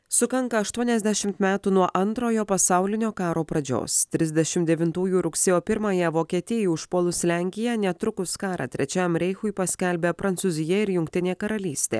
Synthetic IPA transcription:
sʊkɐŋkɐɐʃt̪uɔnʲɛzʲd̪ʲæʃʲɪmt̪mʲæːt̪uːnuɔʔɐnt̪ɾoːjoːpɐsɑʊlʲɪnʲoːkɑːɾoːpɾɐd͡ʒʲo̰ːst̪ʲɾʲɪzʲd̪ʲɛʃʲɪmt̪d̪ʲɛʋʲɪnt̪uːjuːɾʊksʲeːjoːpʲɪɾmɐjɛʋoːkʲiɛt̪ʲɪɛjuːɪʃpoːlˠʊslʲæŋʲkʲɪjɛnʲɛt̪ɾʊkʊskɑːɾɐ̰t̪ʲɾʲɛt͡ʃʲæmɾʲɛɪxʊɪpɐsʲkʲɛlʲbʲeːpɾɐnt̪sʊzʲɪjɛɪɾjʊŋkt̪ʲɪnʲeːkɐɾɐlʲiːsʲt̪ʲḛː

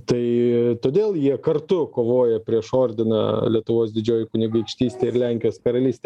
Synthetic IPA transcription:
t̪ɐɪt̪oːd̪ʲeːlˠjiɛkɐrt̪ʊkoːʋoːjɛpʲɾʲiɛʃoːɾʲd̪ʲɪnɐ̰lʲiɛt̪ʊʋoːsd̪ʲɪd͡ʒʲoːjɪkʊnʲɪɡɐɪkʃʲt̪ʲiːsʲt̪ʲeːɪɾlʲæŋʲkʲɪjoːskɐɾɐlʲiːsʲt̪ʲe

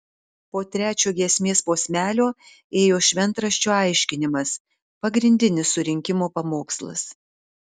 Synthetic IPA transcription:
poːt̪ʲɾʲæːt͡ʃʲoːɡʲiɛsʲmʲeːspoːsʲmʲæːlʲoː | eːjoːʃʲʋʲɛnˑt̪ɾɐʃʲt͡ʃʲoːɐɪʃʲkʲɪnʲɪmɐs | pɐɡɾʲɪnʲd̪ʲɪnʲɪsːʊɾʲɪŋʲkʲɪmoːpɐmoːkslˠɐ̰s

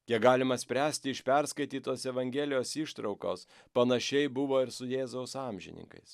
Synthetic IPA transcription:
jʲiɛkɡɑːlʲɪmɐsʲpʲɾʲæːsʲt̪ʲɪɪʃʲpʲɛɾskɐɪt̪ʲiːt̪oːsɛʋɐŋʲɡʲeːlʲɪjoːsiʃt̪ɾɐʊko̰ːs | pɐnɐʃʲɛɪbʊʋoːɪɾsʊjeːzɐʊsɑːmʲʒʲɪ̰nʲɪ̰ŋkɐ̰ɪs

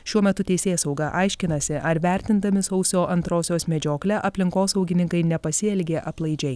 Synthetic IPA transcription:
ʃʲuɔmʲɛt̪ʊt̪ʲɛɪsʲeːsɒʊɡɐʔɑɪʃʲkʲɪnɐsʲɪʔɐɾʋʲæˑɾʲt̪ʲɪnd̪ɐmʲɪsɒʊsʲoːʔɐnt̪ɾoːsʲoːsmʲɛd͡ʒʲoːklʲɛʔɐpʲlʲɪŋkoːsɐʊɡʲɪnʲɪŋkɐɪnʲɛpɐsʲɪɛlʲɡʲeːʔɐplˠɐɪd͡ʒʲɛɪ

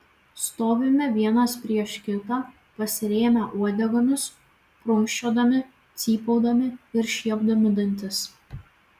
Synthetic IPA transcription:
st̪oːʋʲɪmʲɛʋʲiɛnɐspʲɾʲiɛʃkʲɪt̪ɑ | pɐsʲɪɾʲeːmʲɛʔuɔd̪ʲɛɡɐnʲʊs | pɾʊŋʲʃʲt͡ʃʲoːd̪ɐmʲɪ | t̪sʲiːpoʊd̪ɐmʲɪɪɾʃʲiɛbd̪ɐmʲɪd̪ɐnʲt̪ʲɪs

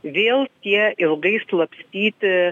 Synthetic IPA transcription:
veːlˠt̪ʲiɛʔɪlˠɡiːslˠɐpsʲt̪ʲiːt̪

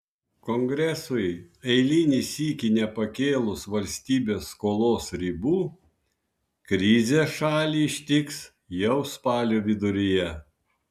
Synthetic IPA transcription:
koːŋɡɾʲɛsʊɪ | ɛɪlʲɪnʲisʲiːkʲɪnʲɛpɐkʲeːlˠʊsʋɐlʲsʲt̪ʲiːbʲeːsːkoːlˠoːsɾʲiːbuː | kɾʲɪzʲeːʃɑːlʲiːɪʃʲt̪ʲɪks | jɛʊspɑːlʲoːʋʲɪd̪ʊɾʲɪjɛ

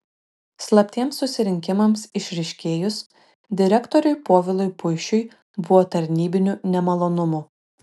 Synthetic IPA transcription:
slˠɐpʲt̪ʲiɛmsːʊsʲɪɾʲɪŋʲkʲɪmɐmsɪʃʲɾʲɪʃʲkʲeːjʊs | d̪ʲɪɾʲɛkt̪ɔɾʲʊɪpoːʋʲɪlˠʊɪpʊɪʃʲʊj | bʊʋɔːt̪ɐɾʲnʲiːbʲɪnʲunʲɛmɐlˠoːnʊmuː

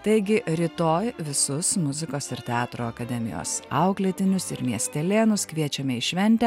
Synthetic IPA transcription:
t̪ɐɪɡʲɪɾʲɪt̪oːjʋʲɪsʊsmʊzʲɪkoːsɪɾt̪ʲɛɑːt̪ɾoːɐkɐd̪ʲɛmʲɪjo̰sɐʊklʲeɛt̪ʲɪnʲʊsɪɾmʲiɛsʲt̪ʲɛlʲeːnʊskʋʲiɛt͡ʃʲɛmʲɛɪʃʲʋʲɛnʲt̪ʲɛ

